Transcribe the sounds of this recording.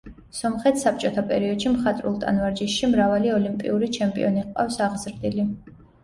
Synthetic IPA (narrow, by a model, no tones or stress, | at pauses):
sɔmχɛt̪ʰsap̚ʰt͡ʃʼɔt̪ʰapʼɛ̰ɾiɔd̪̥ʃimχat̪ʼɾṵlˠt̪ʼa̰nvaɾd͡ʒisʃimɾavaliɔlimpʼḭuɾit͡ʃʰɛmpʼḭɔniqʼa̰fsaʁzɾd̪ili